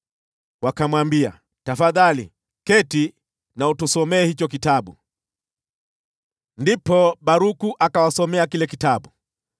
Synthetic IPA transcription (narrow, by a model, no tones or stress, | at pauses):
wakamwambia̰ | tafaðalḭ | kɛti | nautusɔmɛːhit͡ʃɔkitaɓu | ndipɔɓaɾukuʔakawasɔmɛakilɛkitaɓu